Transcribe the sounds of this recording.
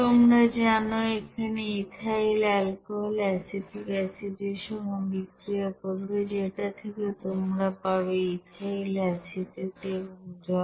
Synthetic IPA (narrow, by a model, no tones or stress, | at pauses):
t̪omɾad͡ʑanoekʰaneit̪ʰailɛlkoɦolɛsiʈʰikɛsid̪iɾʃɔmobikɾiopoɾbed͡ʑeʈat̪ʰekeot̪omɾapabeit̪ailɛsiʈiʈebŋd͡ʑɔ